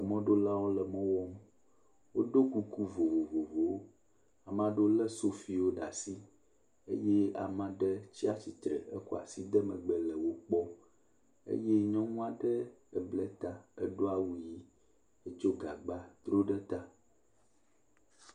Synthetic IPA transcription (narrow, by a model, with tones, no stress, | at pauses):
ə˨mɔ̃˦ɖo˦la˦wo˦lə˨mɔ̃˦wɔ˦m | wo̰˦ɖo˦ku˦ku˦vo˨vo˨vo˨vo˨wo˦ | a˨mã˦ɖo˦lə˦so˦fi˨wo˦ɖa̰˨si˦ | ḛ˦jɛ˦a̰˨mã˦ɖə˦t͡ɕi˦a˦t͡ɕi˨t̪ɾə˨ə̰˦ko˨a̰˨si˦d̪ə˦mə̃˨ɡ͡bə˨lə˨wo˦k͡pɔ˦ | ḛ˦jɛ˦ɲɔ̃˦ŋũ˦a˨ɖə˦ɛ˨blɛ˦t̪a˦ə̰˦ɖo˦a˦wu˦ji˦ | e˦t͡ʃo˦ɡa˨ɡ͡ba˦t̪ɾo˦ɖə˦t̪a˦